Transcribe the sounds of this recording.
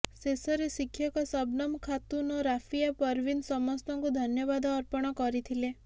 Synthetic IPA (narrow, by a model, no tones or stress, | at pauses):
sesɔɾesikʰːjɔkɔsɔbnɔmkʰat̪unɔɾafʰijapɔɾʋinsɔmɔst̪ɔŋkud̪ʱɔnjɔβad̪ɔːɾpɔɽ̃ɔkɔɾit̪ʰile